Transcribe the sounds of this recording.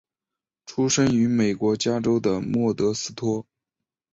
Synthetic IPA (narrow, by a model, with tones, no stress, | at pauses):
ʈ͡ʂʰu˥ʂə˥ŋy˧˥me˨˩ɪkwɔ˧˥t͡ɕja˥ʈ͡ʂo˥ʊd̪ə˨mwɔ˥˩t̪ɤ˧˥sɹ̩˥t̪ʰwɔ˥